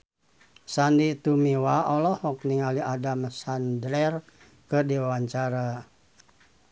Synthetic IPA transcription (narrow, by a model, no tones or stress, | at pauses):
sandit̪umiwaʔɔlɔhɔk̚niŋaliʔadamsandlɛr | kədiwawaɲt͡ʃaɾa